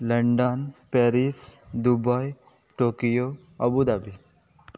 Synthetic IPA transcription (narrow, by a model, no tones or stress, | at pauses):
lɐɳɖənpeːɾisd̪ubaj | ʈoːkijo | ɐbud̪abi